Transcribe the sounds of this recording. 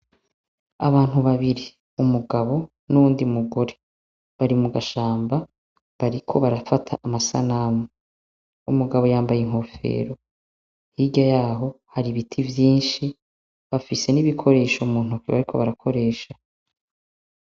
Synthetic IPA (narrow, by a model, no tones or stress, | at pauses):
a̰βaːn̥huβaβiɾi | umuɡaβo̞ | nuβuːndimuɡo̞ɾe̞ | βaɾimuɡaʃaːmba | βaɾikʰo̞βaɾafatʰa̰ʔːmasa̰naːmu | umuɡaβo̞jaːmbajeŋ̥o̞fe̞̰ːɾo̞ | hiɟajaːɦo̞haɾiβitʰivjiːnʃi | βafise̞niβikʰo̞ɾe̞ːʃomuːn̥ukiβaɾikʰo̞̰βaɾakʰo̞ɾe̞ːʃa